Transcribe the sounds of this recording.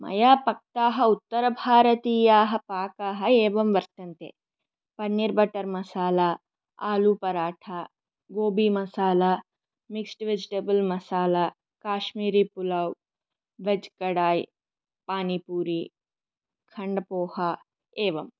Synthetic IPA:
mɐ̰jaːpɐk̚t̪aːɦɐut̪ːɐɾɐbʱaːɾɐt̪iːjaːɦɐpaːkaːɦɐɛːʋɐmʋɐɾt̪ɐnt̪ḛː | pɐnːiɾbɐʈɐɾmɐsaːlaː | aːluːpɐɾaːʈʰaː | ɡoːbiːmɐsaːlaː | miksʈʋed͡ʒiʈɐbɐlmɐsaːla | kaːʃmiːɾiːpulɐw | ʋed͡ʒkɐɽaːj | paːnipuːɾi | kʰɐɳɖɐpoːha | eːʋɐm

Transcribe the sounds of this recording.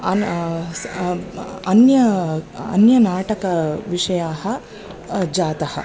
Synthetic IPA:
ɐ | ɐnjɐɐ̰njɐnaːʈɐkɐʋiʂɐjaːɦɐ | d͡ʒaːt̪ɐhɐ̰

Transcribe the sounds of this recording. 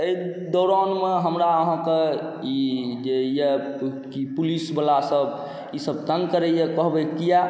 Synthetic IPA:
ei | d̪ɔɾanmeɦəmɾaəɦãke | id͡ʒejɛ | kipulisbəlasəb | isəb̚t̪ənkəɾɛjekəɦbɛkːija

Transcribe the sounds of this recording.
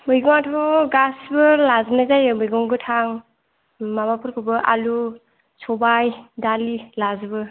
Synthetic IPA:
mɯjɡɔŋatʰɔɡasbɯlaznazajɯmɯjɡɔŋɡɯtʰaŋ | mabapʰɯɾkʰɯbɯʔalu | sɔbajdalilazɯbɯ

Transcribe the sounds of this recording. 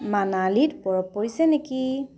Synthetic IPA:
manalitpɔɹɔpːoɹisɛneki

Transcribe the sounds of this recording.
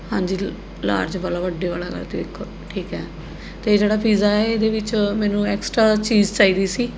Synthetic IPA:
hãːɲd͡ʒiː | la̰ːɾd͡ʒʋaːlaːʋəɖːeːʋa̰ːla̰ːkə̰ɾt̪eɪkʰː | ʈʰiːkɦɛː | t̪eːd͡ʒeːɽaːpʰiːzaːɛːed̪eːʋɪt͡ʃmɛːnũːɛːksʈɾaːt͡ʃiːd͡ʒt͡ʃaːiːd̪iːsiː

